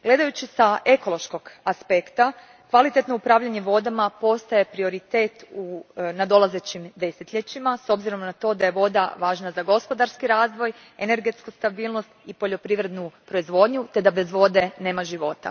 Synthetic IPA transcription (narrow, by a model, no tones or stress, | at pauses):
ɡ̥le̞d̪ajut͡ɕisae̞ko̞lˠo̞ʃko̞ɡ̥aspe̞kt̪a | kʋalit̪et̪noupɾaːʋʎaɲeʋo̞d̪amapo̞st̪aje̞pɾio̞ɾit̪e̞ːt̪unad̪o̞lˠaze̞t͡ɕimd̪e̞set̪ʎet͡ɕimaso̞bziɾo̞mnat̪o̞ːd̪aje̞ʋo̞d̪a̰ʋaːʒnazaɡo̞spo̞d̪aɾskiɾaːzʋo̞j | ene̞ɾɡe̞t̪skust̪abiːlˠno̞st̪ipo̞ʎo̞pɾiːʋɾe̞d̪nupɾo̞izʋo̞ːd̪ɲut̪e̞d̪abe̞zʋo̞d̪e̞neːmaʒiʋo̞t̪a̰